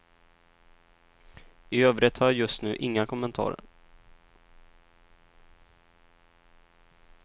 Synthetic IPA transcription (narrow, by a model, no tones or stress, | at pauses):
ɪøːvɾət̪hajjɵst̪nʉ̟̰ːʔɪŋːakʰɔmːɛnt̪ʰɑ̰ːɾ